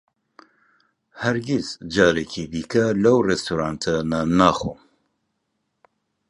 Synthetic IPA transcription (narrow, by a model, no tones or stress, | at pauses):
hɐɾɡisd͡ʒaːɾekʰibiːkɐlɐwrɛst̪ʰuɾaːnt̪ʰɐnanaːxṵm